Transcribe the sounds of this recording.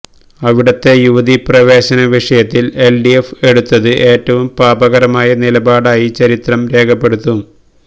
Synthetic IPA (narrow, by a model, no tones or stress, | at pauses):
ɐʋiɽɐt̪ːe̞juʋɐðiprɐʋe̞ːɕɐnɐʋiʂɐjɐt̪ːile̞lɖiefe̞ɽut̪ːɐðɨʔe̞ːtːɐʋumpaːbɐɣɐɾɐmaːjɐnilɐbaːɽaːjit͡ɕɐɾit̪rɐmɾe̞ːkʰɐpːe̞ɽut̪ːu